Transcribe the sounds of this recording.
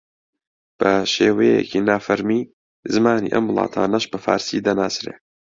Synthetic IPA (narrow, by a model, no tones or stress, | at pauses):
b̥ɐʃeːwejḛcʰiːnaːfɐɾmiː | zɨmaːnḭːʔɐ̰mwlˠɑ̰ːt̪ʰa̰ːnɐʃbɐfa̰ːɾsid̪ɐnaːsɾeː